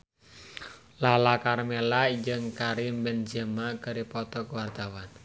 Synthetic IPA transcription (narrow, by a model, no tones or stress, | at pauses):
lalakarmelaid͡ʒəŋkaɾimbɛnd͡ʒəmakəɾipɔt̪ɔkuward̪awan